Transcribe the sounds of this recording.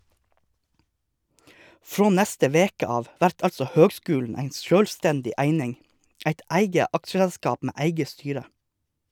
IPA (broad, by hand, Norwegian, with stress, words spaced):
ˈfɾoː ˈnɛstə ˈʋeːkə ˈɑːʋ ˈʋæɾt ˈɑlsɔ ˈhøːɡˌskʉːlɳ̩ ˈæɪ ˈʃøːlˌstɛndɪ ˈæɪnɪŋ ˈæɪt ˈæɪɡə ˈɑkʃəɛlˌskɑːp ˈmeː ˈæɪɡə ˈstyːɾə